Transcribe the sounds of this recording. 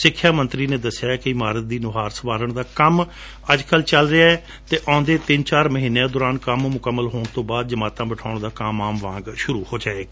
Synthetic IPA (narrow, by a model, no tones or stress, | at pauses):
sɪkʰːjaːmə̃nt̪ɾiːnẽːd̪əsɪjaːkɪɪmaːɾət̪̚d̪iːnʊɦaːɾsəʋaːɾəɳd̪aːkəm | əd͡ʒkəlt͡ʃəlɾɪaːɛː | t̪eːʔãːnd̪eːt̪ɪnt͡ʃaːɾməɦiːneãːd̪oːɾaːnkəmmʊkəmːəlɦoːɳ̃t̪õːbaːd̪̚d͡ʒəmaːt̪ãːbɪʈʰaːʊɳ̃d̪aːkaːmãːmʋãːŋɡʃʊɾuːhoːd͡ʒaːeːɡaː